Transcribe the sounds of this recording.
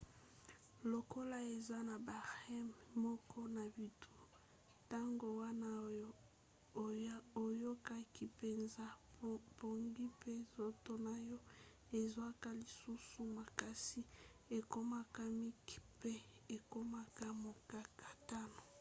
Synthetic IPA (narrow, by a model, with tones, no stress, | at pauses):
lo˨ko˦la˦e˨za˦na˨ba˨ʁɛ˦mmɔ˦kʰɔ˦na˨bi˨tʰu˦ | ta˦ŋɡo˨wa˦na˦o˦ | o˨jo˦ka˦ki˨pe˨nza˦bo˨ŋɡi˦pe˦zo˦to˦na˨jɔ˦ | e˨za˦ka˦li˨su˦su˨ma˨ka˦si˦ | e˨ko˦ma˦ka˦mi˦ki̥˨pe˦e˨ko˦ma˦ka˦mo˨ka˦kḁ˨ta˦no˨